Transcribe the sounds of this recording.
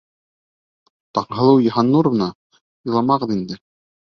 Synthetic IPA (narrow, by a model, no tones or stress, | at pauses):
t̪ɑɴɦɤ̆lˠɤwjɤ̆ɦɑnːuɾβɤ̆nɑ | ulˠɑmɑʁɤðind̪ɘ